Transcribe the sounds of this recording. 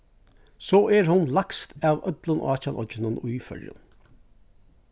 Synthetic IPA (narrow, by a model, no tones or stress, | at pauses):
soːʔæːɹhʊnlɑkst̪ɑːʋœd̪lənʔo̰ːɑːçɑlʔɔ̰d͡ʒənənʉːfœ̰ɾjə̰n